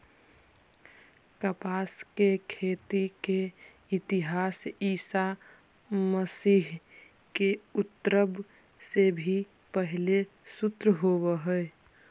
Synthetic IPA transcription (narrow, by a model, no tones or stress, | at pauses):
kəpaːskekʰeːt̪ike | ɪt̪iɦaːsiːsa | məsiːɦ | keʊt̪ːɾəb | sebʱi | pəɦle | sʊt̪ɾəɦoβeɦəe